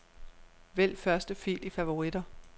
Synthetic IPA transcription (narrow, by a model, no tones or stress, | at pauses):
ʋel̰fɶɐsd̥əfḭːlifæʋo̝ʁid̥ɐ